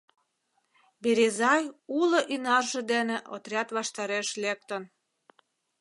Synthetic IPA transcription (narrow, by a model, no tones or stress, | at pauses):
beɾezɑjulŏʔynɑrʒĕd̪eneʔot̪rʲɑt̪βɑʃt̪ɑɾeʃlek̚t̪ən